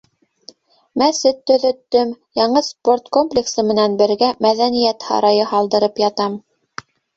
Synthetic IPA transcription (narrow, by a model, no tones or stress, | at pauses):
mæsɘt̪ːɵ̆ðɵ̆t̪ːɵmjɑɴɤspo̞rt̪komplʲɪksɤmɘ̆nænbɘ̆ɾɡæmæðænijæt̪hɑ̰ɾɑjɤhɑlˠd̪ɤ̆ɾɤpjɑt̪ɑm